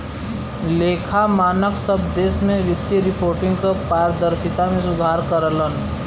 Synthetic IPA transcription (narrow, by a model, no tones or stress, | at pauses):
leːkʰamaːnəksəb̚d̪eːsmẽʋɪt̪jəɾɪpʰoːɾʈɪ̃ŋɡkapaːɾəd̪əɾsɪt̪amẽsʊd̪ʱaːɾkəɾələn